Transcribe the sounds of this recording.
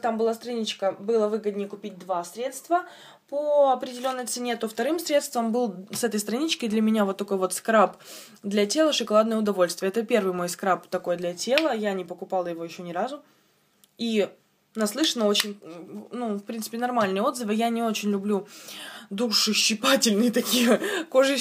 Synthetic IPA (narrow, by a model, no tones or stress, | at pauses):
t̪ambɨlˠast̪ɾɐnʲit͡ɕkəbɨlˠəvɨɡəd̪ʲnʲəkʊpʲit̚ʲd̪vasɾʲe̞t̪st̪və | poɐpɾʲɪdʲɪlʲo̞nːəjt̪sɨnʲet̪o̞ft̪ɐɾɨmsɾʲe̞t̪st̪vəmbɨlˠsɛt̪əjst̪ɾɐnʲit͡ɕkəd̪lʲɐmʲɪnʲavot̪ːɐko̞jvo̞t̪skɾap | d̪lʲɐtʲe̞lˠəʂɨkɐlˠad̪nəjəʊd̪ɐvo̞lʲst̪vʲɪjəɛt̪əpʲe̞rvɨjmo̞jskɾapt̪ɐko̞jd̪lʲɐtʲe̞lˠəjanʲɪpəkʊpalˠjɪvo̞jɪɕːo̞nʲɪɾazʊ | i | nɐslˠɨʂənəo̞t͡ɕɪnʲnufpɾʲint̪sɨ̥pʲɪnɐrmalʲnɨjəo̞d̪zɨfɨjanʲɪo̞t͡ɕɪnʲlʲʊblʲu | d̪uʂɨɕːɪpatʲɪlʲnɨjət̪ɐkʲijəko̞ʐɨ